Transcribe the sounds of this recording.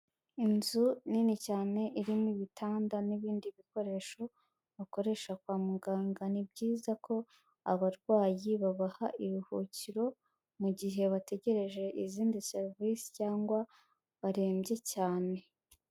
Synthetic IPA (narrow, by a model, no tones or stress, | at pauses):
inzuninicaːne̞ʔiɾimuiβitʰaːndaniβiːndiβiko̞ɾe̞ʃo̞ | βako̞ɾe̞ʃakwaːmuɡaːŋɡanibɟiːzako̞ | aβaɾɡwaːjiβaβahaʔiɾuhuːciɾo̞ | muɟiɦe̞βate̞ɟe̞ɾe̞ʒe̞ʔiziːndise̞ɾvisi̥caːŋɡwa | βaɾe̞ːmbje̞caːne̞